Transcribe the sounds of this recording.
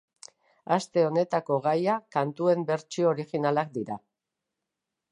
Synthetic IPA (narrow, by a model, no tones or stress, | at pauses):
ast̪e̞o̞ne̞t̪ako̞ɣajakant̪ue̞mbe̞ɾt͡ʃiooɾixinalak̚d̪iɾa